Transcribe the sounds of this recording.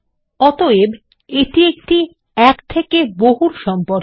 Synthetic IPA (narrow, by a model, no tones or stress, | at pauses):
ɔt̪oeb | eʈiek̚ʈi | ɛkt̪ʰekeboɦuɾʃɔmpoɾ